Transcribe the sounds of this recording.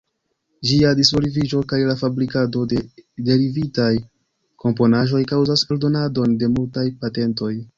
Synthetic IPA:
d͡ʒiadisvolivid͡ʒo̞kajlafabɾikado̞dede̞ɾivitaj | kʰo̞mpo̞naʒo̞jkawzaseldo̞nado̞nde̞multajpate̞nto̞j

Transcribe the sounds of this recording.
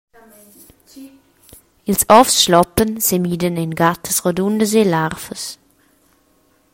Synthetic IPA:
ɪlsɔfsʃlɔpənsemiːdənenɡat̚əsʁodundəzelaʁfəs

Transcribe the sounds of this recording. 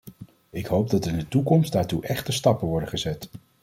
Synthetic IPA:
ɪkɦowb̚dɑtɪndətukɔmstdaːɹtuʔɛχtəstɑpənʋɔɹdəχəzɛt

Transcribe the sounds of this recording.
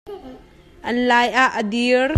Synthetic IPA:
ʔənlaːjʔaʔəd̪ir

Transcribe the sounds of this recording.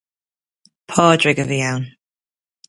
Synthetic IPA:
pʰɑːdɹɪɡəðiawn

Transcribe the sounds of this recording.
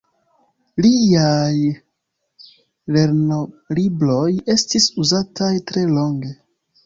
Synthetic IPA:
liaj | le̞ɾnolibɾo̞je̞stisuzatajtɾe̞lo̞ŋɡe̞

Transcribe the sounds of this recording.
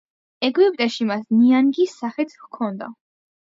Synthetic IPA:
ɛɡwipʼt̪ʼɛʃimasniaŋɡisːaχɛt̪ʰkʰɔnd̪a̰

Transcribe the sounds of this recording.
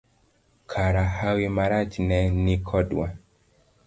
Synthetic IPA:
kʰaɾahawimaɾat͡ʃnɛnikʰɔɗwa

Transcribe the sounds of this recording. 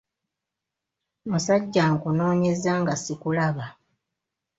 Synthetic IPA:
musaɟːaŋkuno̞ːɲe̞zaːŋɡasikulaβa

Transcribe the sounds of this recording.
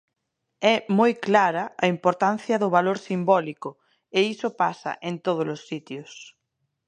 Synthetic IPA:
ɛmojklaɾaːimpoɾt̪an̟θjɐðʊβ̞aloɾsimbɔliko | eisopasa̰ʔẽnt̪oð̞olosːit̪jos

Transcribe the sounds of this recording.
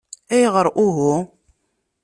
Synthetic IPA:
æjəʁəɾˤʔuɦu

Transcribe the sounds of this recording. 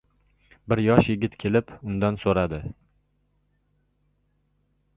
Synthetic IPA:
bɪɾjɒʃjɪɡʲɪt̪kʲʰe̞lɪpʊnd̪ansoɾad̪ɪ

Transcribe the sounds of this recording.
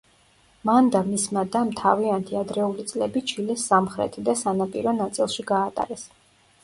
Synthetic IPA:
mand̪amismad̪amt̪ʰaviant̪ʰiad̪ɾɛulit̪sʼlɛbit͡ʃʰilɛsːamχɾɛ̰t̪ʰid̪asanapʼḭɾɔnat̪sʼilˠʃiɡaːt̪ʼa̰ɾɛs

